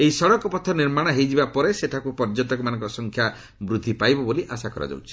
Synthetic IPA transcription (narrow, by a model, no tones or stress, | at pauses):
eisɔɽɔkɔpɔt̪ʰːɔniɾmaɽ̃ɔɦejd͡ʒibapɔɾeseʈʰakupɔɾd͡ʒɔnt̪ɔkumanɔ̃ŋkɾsɔŋkʰja | bɾud̪ʱːipajbɔboliʔasakɔɾʔa̰d͡ʒa̰wt͡ʃʰi̥